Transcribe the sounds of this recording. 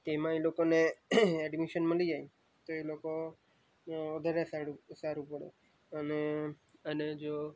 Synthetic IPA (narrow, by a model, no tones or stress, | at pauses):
t̪emãelokoneɛɖmiʃənməlid͡ʒai | t̪oeloko | od̪ʱəɾasaɽusaɾupəɽḛ | əne | əned͡ʒo